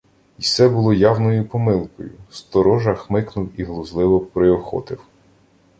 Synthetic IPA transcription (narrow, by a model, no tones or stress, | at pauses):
isɛbʊlˠɔjɑwnɔjʊpɔmɪlˠkɔjʊ̰st̪ɔɾɔʒɐxmɪknʊwiɦlˠʊzlˠɪʋɔpɾɪɔxɔ̰t̪ɪw